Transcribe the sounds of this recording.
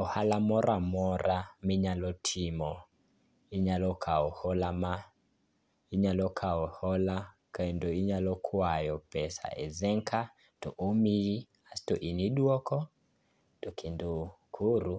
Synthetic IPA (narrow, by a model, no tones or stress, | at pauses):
ɔhalamɔɾamɔɾamiɲalɔtʰimɔ | iɲalɔkʰaɔhɔlama | iɲalɔkʰaɔhɔlakandoiɲalɔkʰwajɔpɛsa̰ɛ̰zɛŋkʰa | tɔʔomii | astɔʔiniɗwɔkɔ | tokʰindu | kʰuɾu